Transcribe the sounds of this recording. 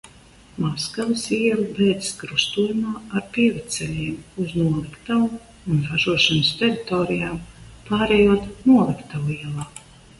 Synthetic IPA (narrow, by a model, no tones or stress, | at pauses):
maskavɨsiɛlˠbɛjd̪skɾust̪uːjumaːaɾpiːvɨt̪sʲɛlʲiɛmuznuɔlˠikt̪aːm | unɾaʒuɔʃanəst̪ʲɛɾit̪oːɾijaːmpaːɾɛjuɔt̪nuɔlˠikt̪aliɛlˠaː